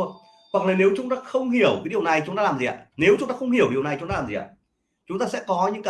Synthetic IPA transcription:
hwa˨˩k̚laː˨˩ne˨˦wt͡ɕʊ˨˦ŋ͡mt̪aː˧xə˧wŋ͡mhi˧˩əwka˨˦i˨˩əwna˨˩jt͡ɕʊ˧˦ŋ͡mt̪aː˧lːaː˨˩mzi˨˩ʔa̰ː˧˨ne˨˦wt͡ɕʊ˨˧˦ŋ͡mt̪aː˧xə˧wŋ͡mhi˧˩əwɗi˨˩əwna˨˩jt͡ɕʊ˧˦ŋ͡mt̪aː˧aː˨˩zi˨˩ʔa̰˧˨ | t͡ɕʊ˨˦ŋ͡mt̪aː˧sɛ̰˧˥kɔ˨˦ɲɨ̰˧˥ŋka˧

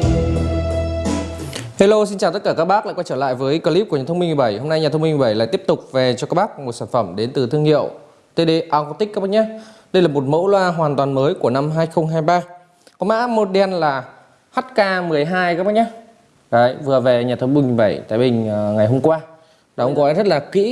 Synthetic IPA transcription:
he˧lo˧si˧nt͡ɕaː˨˩t̪ə˦˥t̚kaː˧˩kaː˦˥k̚ɓaː˦˥la̰˧˨kwaː˧jt͡ɕəː˧˩la̰ː˧˨jvəː˨˦jkəː˧li˦˥p̚u˧˩ɲaː˨˩t̪ʰŋ͡mmi̟˧mɨ˨˩ɓə˧˩jho˧ŋ͡mna˧jɲaː˨˩t̪ʰwmï˧ŋm˨˩ɓə˧˩jla̰ː˧˨t̪i˦˥əp̚t̪ʊ˨˩k͡p̚ve˨˩t͡ɕɔ˧kaː˦k̚ɓaː˦˥k̚mo˨˩t̚saː˧˩nfə˧˩mɗe˨˦nt̪ɨ˨˩t̪ʰɨ˧əŋhḭ˧˨əw | t̪e˧ɗe˧ʔaː˧wka˧˥t̪i˦˥k̚kaː˦˥ɓaː˦˥k̚ɲaː˧ɗə˧jlaː˨˩mo˨˩t̚mo̰˧˥wlwaː˧ɦwaː˨˩nt̪waː˨˩nməː˨˦jku˧˩əna˧mɦaː˧jxə˧wŋ͡mɦaː˧jɓaː˧ | kɔ˨˦ma̰ː˧˥mo˨˧˩t̚ɗi˧ɛ˧nlaː˨˩ | haː˦˥t̚kaː˧mɨ˨˩əjɦaː˧jkaː˦˥ɓaː˦˥k̚ɲaː˧ | ə˨˧˨jvɨ˨˩əve˨˩ɲaː˨˩t̪ʰə˧wŋ͡mmï˧ŋm˨˩jɓə˧˩jt̪a̰ː˧˩jɓï˨˩ŋ̟ŋa˨˩jɦo˧mkwaː˧ | ɗʔə̰˧˦ŋ͡mkɔ˨˦˧zə˦˥t̚laː˨˩kḭ˧˥

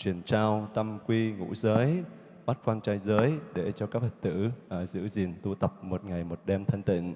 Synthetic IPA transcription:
t͡ɕwi˨˩ənt͡ɕaː˧wt̪ə˧mkwi˧ŋṵ˧˥zəː˨˦j | ɓa˦˥t̚kwaː˧nt͡ɕaː˧jzəː˨˦jɗe˧˩t͡ɕɔ˧kaː˦˥k̚və˨˩t̚t̪ɨ̰˧˥ʔːzɨ̰˧˥zi˨˩nt̪u˧t̪ə˨˩p̚mo˨˩t̚ŋa˨˩jmo˨˩t̚ɗɛ˧mt̪ʰə˧nt̪ḭ̈˧˨ŋ̟

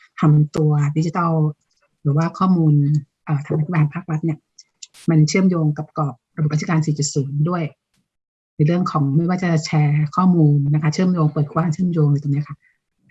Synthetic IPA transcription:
t̪ʰa˧mt̪u˧ɐdi˦˥t͡ɕi˧t̪ɔ˥˩w | ɾɯː˩˦waː˥˩kʰɔː˥˩muː˧n | ʔɤː˨˩t̪ʰa˧mːa˧˥i˥˩a˧ha˨˩mpʰaː˥˩k̚ɾa˦˥t̪̚ni˥˩ɐ | ma˧nt͡ɕʰɯ˥˩əmjoː˧ŋka˨˩p̚kɔː˨˩p̚ɾa˧b̚a˦˥˧kaː˧nsiː˨˩˦t͡ɕa˨˩suː˩˦ŋdu˥˩əj | na˧jɾɯ˥˩əŋkʰɔː˩˦ŋma˥˩jwaː˥˩t͡ɕa˨˩t͡ɕʰɛː˧kʰɔː˥˩muː˧nːa˦˥kʰa˥t͡ɕʰɯ˥˩əmjoː˧ŋpəɤː˨˩t̪̚kʰwaː˧˥˩ŋt͡ɕʰɯ˥˩əmjoː˧ŋlːt̪oː˧ni˦˥ɐkʰa˥˩

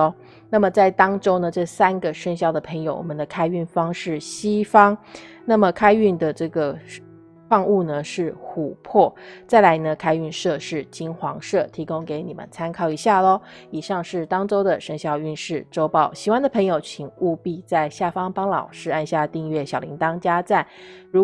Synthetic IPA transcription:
na˥˩mə˩t͡sa˥˩ɪt̪ɑ˥ŋʈ͡ʂo˥ʊnə˨ʈ͡ʂɤ˥˩sa˥nɡə˨ʂə˥ŋɕjɑ˥˩ʊd̪ə˩pʰə˧˥ŋjo˧ʊwɔ̰˨˩mə˦nd̪ə˧˩kʰa˥ɪy˥˩nfɑ˥ŋʂɻ̩˥˩ɕi˥fɑ˥ŋ | na˥˩mə˩kʰa˥ɪy˥˩nd̪ə˩ʈ͡ʂɤ˥˩ɡə˩ | fɑ˥˧ŋu˥˩nə˩ʂɻ̩˥˩xu˨˩pʰwɔ˥˩t͡sa˥˩ɪla˧˥ɪnə˧kʰa˥ɪy˥˧nʂɤ˥˧ʂɻ̩˥˩t͡ɕi˥nxwɑ˧˥ŋʂɤ˥˩t̪ʰi˧˥ko˥ŋke˧˥ɪni˨˩mə̰˦nt͡sʰa˥nkʰɑ˥˩ʊi˧˥ɕja˥˩lɔ˦i˨˩ʂɑ˥˧ŋʂɻ̩˥˩t̪ɑ˥ŋʈ͡ʂo˥ʊd̪ə˨ʂə˥ŋɕjɑ˥˧ʊy˥˧nʂɻ̩˥˩ʈ͡ʂo˥ʊpɑ˥˩ʊɕi˨˩wa˥nd̪ə˨pʰɤ˧˥ŋjo˨˩ʊt͡ɕʰi˧˥ŋu˥˧pi˥˧t͡sa˥˧ɪɕja˥˩fɑ˥ŋpɑ˥ŋlɑ˨˩ʊʂɻ̩˥a˥˧nɕja˥˧t̪i˥˧ŋɥɛ˥˩ɕjɑ˨˩ʊli˧˥ŋt̪ɑ˥ŋt͡ɕja˥t͡sa˥˩nɻu˧˥

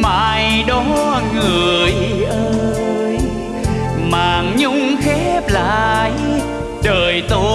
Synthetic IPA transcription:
ma̰ː˧˨jɗɔ˧˦ŋɨ˨˩əəjʔəː˧j | maː˨˩ŋɲʊ˧˥ŋ͡mxɛ˦˥p̚la̰ː˧˨j | ɗəː˨˩jt̪o˧

